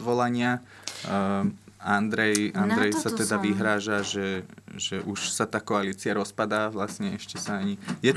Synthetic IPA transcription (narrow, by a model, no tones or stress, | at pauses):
dʋɔlaɲɪa | and̪ɾɛjand̪ɾɛjsat̪ɛd̪aʋiɦɾaːʒaʒɛʒ̥ɛʔuʃsat̪aːkɔaliːt͡siaɾɔspad̪aːʋlasɲɛɛʃcɛsaaɲijɛt